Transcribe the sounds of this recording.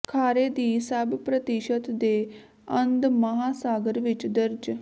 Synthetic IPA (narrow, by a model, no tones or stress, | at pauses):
kʰaːɾeːd̪iːsəbpɾət̪ɪʃət̪d̪eː | ə̃nd̪məɦaːsaːɡəɾʋɪt͡ʃd̪əɾd͡ʒ